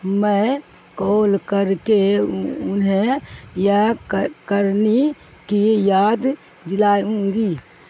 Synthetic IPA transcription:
mə̃ | koːlkəɾkeʊnɦẽjakəɾni | kijaːd̪ | d̪ɪlaːjũːŋɡiː

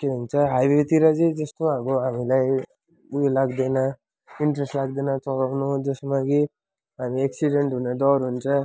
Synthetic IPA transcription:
keɦunt͡sʰʌɦajbet̪iɾad͡zid͡zʌst̪oɦakoɦamilaj | ujlaɡd̪ena | iɳʈɾesʈlaɡd̪enat͡sɔɡawnud͡zʌsmaɡi | ɦamieksiɖeɳʈɦuned̪ɔɾɦunt͡sʰʌ

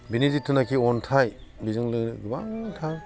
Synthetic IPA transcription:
binizitʰːunakʰiɔntʰaj | bizɯŋlɯŋɡɯba̰ŋtʰa

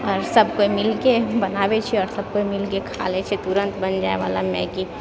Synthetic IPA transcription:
ɔːɾsəb̚koimɪlkebənaːbet͡ʃʰiɔːɾsɐb̚koimɪlkekʰa̰ːlet͡ʃʰit̪uɾə̃nt̪bənd͡ʒaːeʋa̰ːlamɛ̰̃ki

